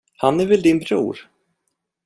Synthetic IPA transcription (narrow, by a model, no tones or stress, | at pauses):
hanːɛɾvɪld̪ɪnbɾṵːɾ